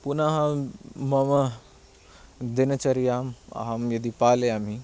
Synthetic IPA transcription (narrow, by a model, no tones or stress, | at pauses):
punaɦãmɐmɐ | d̪inɐt͡ʃɐɾijaːma̰ɦamjɐd̪ipaːleam̤i